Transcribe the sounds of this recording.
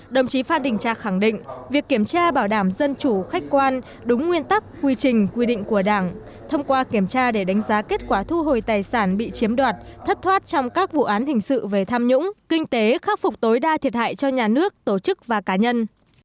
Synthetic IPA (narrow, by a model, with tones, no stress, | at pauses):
ɗə˨˩wŋ͡mt͡ɕi˨˦faː˧nɗï˨˩ŋ̟t͡ɕa̰ː˧˨xa˧˩ŋɗḭ̈˧˨ŋ̟vi˨˩əkːi˧˩əmt͡ɕaː˧ɓaː˧˩wɗaː˧˩mzə˧nt͡ɕu˧˩xa˦˥k̟̚kwaː˧n | ɗʊ˨˦ŋ͡mŋwi˧ənt̪a˦˥k̚ːwi˧t͡ɕï˨˩ŋ̟kwi˧ɗḭ̈˧˨ŋ̟ku˧˩əɗaː˧˩ŋ | t̪ʰə˧wŋ͡mkwaː˧ki˧˩əmt͡ɕaː˧ɗe˧˩ɗa˨˦jŋ̟zaː˨˦ke˦˥t̚kwaː˧˩t̪ʰu˧ɦo˨˩jt̪aː˨˩jsaː˧˩nɓḭ˧˨t͡ɕi˨˦əmɗwaː˨˩t̚t̪ʰə˦˥t̚t̪ʰwaː˦˥t̚t͡ɕɔ˧wŋ͡mkaː˦˥k̚vṵ˧˨ʔaː˨˦nhï˨˩ŋ̟sɨ̰˧˨ve˨˩t̪ʰaː˧mɲʊ̰˧˥ŋ͡mkï˧ŋ̟t̪e˨˦xaː˦˥p̚fʊ˨˩k͡p̚t̪o˨˦jɗaː˧t̪ʰi˨ət̚ha̰ː˧˨jt͡ɕɔ˧ɲaː˨˩nɨ˦˥ək̚t̪o˧˩t͡ɕɨ˦˥k̚vaː˨˩kaː˨˦ɲə˧n